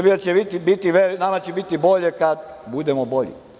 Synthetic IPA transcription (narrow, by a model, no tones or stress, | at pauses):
ɾbijat͡ɕebit̪ibit̪iʋeinamat͡ɕebit̪ibo̞ʎekad̪bud̪emobo̞ʎḭ